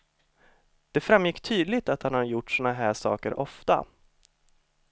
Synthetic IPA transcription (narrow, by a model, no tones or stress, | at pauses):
d̪̥ɛfɾamjɪkːt̪ʰyːd̪lɪt̪at̪hanhaɾjʊʈːsɔːnaɦæːʂɑ̰ːkə̰ɾʔɔft̪a̰